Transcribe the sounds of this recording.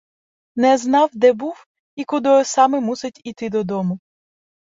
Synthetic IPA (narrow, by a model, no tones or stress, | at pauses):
nɛznɑwd̪ɛbuw | ikʊd̪ɔsɑmɪmusɪtʲit̪ɪd̪ɔd̪ɔmʊ